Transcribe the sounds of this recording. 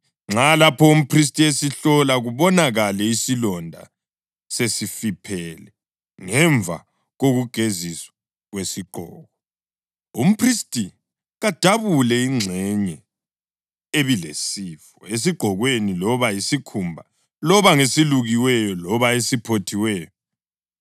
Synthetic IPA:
ŋ͡ǁalapʰɔum̩pʰris̬tʼiesiɬɔlaɣuβɔnaɣalɛisilɔndʱa̰ | sesifipʰɛlɛ | ŋɛɱvʱa̰ | ɣoɣuɡ̥ʱeziswḁ | ɣwesiɡ͡ǃʱɔ̰ːɣɔ | um̩pʰristʼi | ɣad̥ʱaβulɛiŋ͡ǀʱɛɲɛ | eβilḛsiːfɔes̬iɡ͡ǃ̥ʱɔɣwenilɔβajisikʰumbʱa | lɔβaŋesiluɣiwɛjɔlɔβaesipʰotʰiwɛːjɔ

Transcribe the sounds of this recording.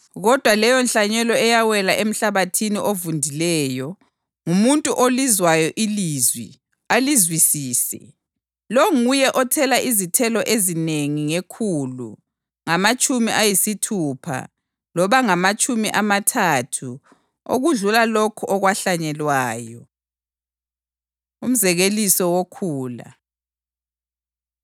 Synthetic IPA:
ɣɔd̥ʱwalɛjɔnɬaɲɛlɔɛjawɛlaʔem̩ɬaβatʰiniʔovundʱilɛːjɔ | ŋumuntʼuʔolizwajɔʔilizwḭ | alizwisiːsɛ̰ | loŋujɛʔɔtʰɛlaʔizitʰɛlɔʔezineŋiŋekʰulṵ | ŋamat͡ʃʼumiʔajisitʰuːpʰa̰ | lɔβaŋamat͡ʃʼumiʔamatʰatʰu | o̰ɣuɮulalokʰɔʔɔɣwaɬaɲɛlwaːjɔ | um̩zɛɣelisɔwokʰuːla̰

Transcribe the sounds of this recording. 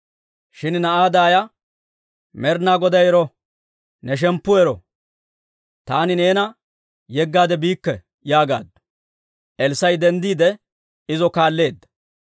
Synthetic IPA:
ʃɪnnɐʔaːd̪aːjɐ | mɛɾnaːɡɔd̪ɐjɛɾɔ | nɛʃ̬ɛmpːʊɛɾɔ̰ | t̪aːnɪne̞ːnɐ | jɛɡːaːd̪ɛbiːkːɛ | jaːɡa̰ːd̪ɐ | ʔɛlsɐjd̪ɛnd̪iːd̪ɛ | ɪzɔkaːlːe̞ːd̪ːɐ̥

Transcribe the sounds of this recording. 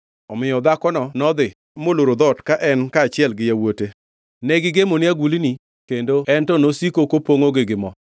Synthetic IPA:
ɔmɪjɔd̪akɔnɔnɔd̪ɪ | moloɾod̪ɔtkaʔɛnkaːt͡ʃɪɛlɡɪjawote | nɛɡɪɡemonɪaɡulini | kendoɛntɔnosikokopoŋoɡɪɡɪmɔ

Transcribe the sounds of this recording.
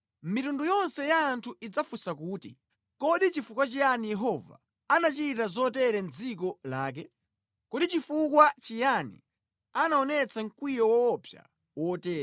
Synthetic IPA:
mitundujɔnsɛjaːntʰuid͡zafusakuːti | kɔɗit͡ʃifukwat͡ʃijanijɛɦɔva̰ | anat͡ʃitazɔtɛɾɛnd͡zikɔla̰ːk̬ɛ | kɔɗit͡ʃifukwat͡ʃijanḭ | anaɔnɛt͡saŋ̩kwijɔwɔːpʰja̰ | wɔtɛːɾa

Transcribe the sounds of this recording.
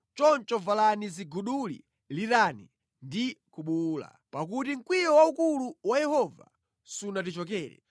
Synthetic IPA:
t͡ʃɔnt͡ʃɔvalaniziɡuɗulḭ | litani | ndikuɓuːla̰ | pak̬utiŋ̩kwiɾɔwaukuluwajɛhɔva̰ | sunatit͡ʃɔk̬ɛːɾɛ̰

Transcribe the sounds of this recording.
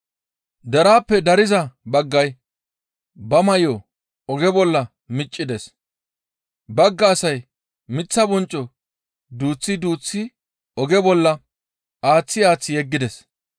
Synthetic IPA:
d̪ɐɾaːpːɛd̪ɐɾɪzɐbɐɡːɐj | bɐmɐjo | ɔɡɛbɔlːɐ | mɪt͡ʃʼːɪd̪ɛs | bɐɡːɐːsɐj | mɪt͡sːɐbɔnt͡ʃʼːɔ | d̪uːt͡sːɪd̪uːt͡sːɪ | ɔɡɛbɔlːɐ | ʔaːt͡sːɪaːt͡sːɪjɛɡːɪd̪ɛs

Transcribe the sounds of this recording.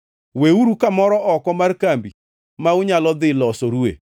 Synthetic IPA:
weuɾukamɔɾɔʔɔkɔmarkambi | maʊɲalɔd̪ɪlɔsoɾuḛ

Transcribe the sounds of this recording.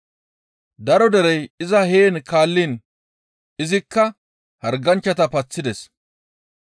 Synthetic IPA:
d̪ɐɾɔd̪ɛɾɛjɪzɐheːnkaːlːin | ɪzɪkːɐ | hɐɾɡɐnt͡ʃːɐt̪ɐpɐt͡sːɪd̪ɛs

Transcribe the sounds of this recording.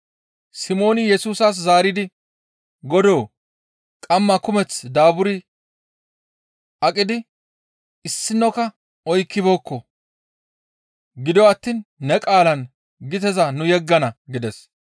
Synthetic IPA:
sɪmo̞ːnɪjɛsuːsɐs̬zaːɾɪd̪ɪ | ɡɔd̪o̞ː | kʼɐmːɐkʊmɛt͡sd̪aːbʊɾɪ | ʔɐkʼɪd̪ɪ | ɪsːɪnːɔkɐ | ʔɔjkːɪbo̞ːkːɔ | ɡɪd̪ɔɐt̪ːiːnːɛkʼaːlɐn | ɡɪt̪̬ɛzɐnʊjɛɡːɐnɐɡɪd̪ɛs

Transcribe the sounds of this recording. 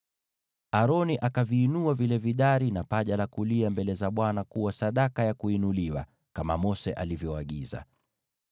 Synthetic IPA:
aɾɔniʔakaviːnuavilɛviɗaɾinapaʄalakuliambɛlɛzaɓwanakuwasaɗakajakuinuliwa̰ | kamamɔsɛʔalivjɔaɠiza̰

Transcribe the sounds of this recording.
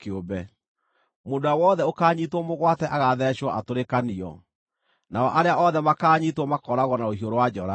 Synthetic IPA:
keobɛ | mondoawɔðɛokaːɲitwɔmoɣwatɛʔaɣaðɛɕwɔʔatoɾekaniɔ̰ | naɔʔaɾeaʔɔðɛmakaːɲitwɔmakɔɾaɣwɔnaohioɾowad͡ʑɔɾa

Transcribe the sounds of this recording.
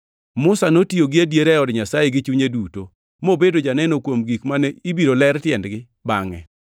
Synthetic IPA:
mʊsanotioɡɪadjeɾɛɔdɲasajeɡɪt͡ʃuɲeduto | mobedod͡ʒanɛnokwomɡikmanɛibiɾolɛrtjɛndɡɪ | baŋɛ̰

